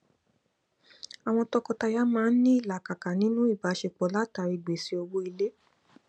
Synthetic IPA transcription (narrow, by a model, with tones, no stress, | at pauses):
a˨w̃ɔ̃˧tɔ˧kɔ˧ta˧ja˦mãː˦˧n̩˦nĩ˦i˦˨la˨ka˨ka˨nĩ˨˦nũ˦i˦˨ba˨˦ʃe˧k͡pɔ˨˦la˦ta˨˧˦ɾi˧˨ɡ͡be˨si˧˦o˧wo˦i˧le˦